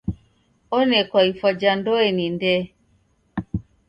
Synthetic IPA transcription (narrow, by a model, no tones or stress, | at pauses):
ɔnɛkwaifɔd͡ʒandɔenindɛ